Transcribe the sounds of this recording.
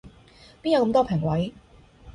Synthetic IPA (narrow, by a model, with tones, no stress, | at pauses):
pi˥njɐ˨˧wkɐ˧mt̪ɔː˥pʰɛ˨˩ŋwɐ˨˥j